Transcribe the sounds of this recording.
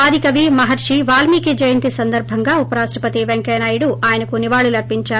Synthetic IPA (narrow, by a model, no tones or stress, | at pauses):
aːd̪ʱikɐʋimɐɦɐɾʂiʋaːlmiːkid͡ʒɐjɐnt̪isɐnd̪ɐɾbʱɐŋɡaːupɐɾaːʃʈɾɐpɐt̪iʋeŋkɛːnaːjuɽuaːjɐnɐkuniʋaːɭulɐɾpːiɲt͡ʃaːɾu